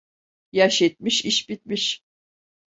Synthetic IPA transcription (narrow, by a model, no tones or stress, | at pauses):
jaʃɛt̪̚miʃiʃbit̪̚miʃ